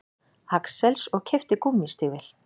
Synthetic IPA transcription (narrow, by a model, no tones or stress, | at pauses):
haksɛlsɔɣcʰɪft̪ɪkumːist̪ɪːvɪl̥